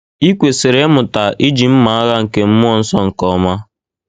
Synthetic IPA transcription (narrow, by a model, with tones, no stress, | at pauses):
i˦kʷe˨sɪ˨ɾe˦mʊ˨ta˨ʔi˦d͡ʒi˨m̩˦ma˨a˦ɣa˦ŋ̩˨ke˨m̩˦mʊ˦ɔ˦n̩˦sɔ˦ŋ̩˨kɔ˨ma˦